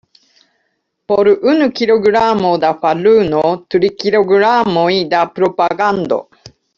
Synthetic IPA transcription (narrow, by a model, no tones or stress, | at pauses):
poɾɯʔɯnɯkʲiɾoɡɯɾamod̪aɸalɯnot̪ɯɾikiɾoɡɯɾamoid̪apɯɾopaɡand̪o̰